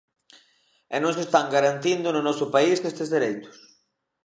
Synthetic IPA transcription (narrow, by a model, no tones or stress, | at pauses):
ɛnõŋsest̪aŋɡaɾant̪ind̪ʊnʊnɔsʊpaisðest̪ezðeɾejt̪ʊ̥s